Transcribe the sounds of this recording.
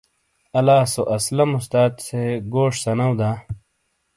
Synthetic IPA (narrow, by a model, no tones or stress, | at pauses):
ɐlaːsoʔɐslɐmust̪aːt̪seɡoːʂsɐnɐwd̪aː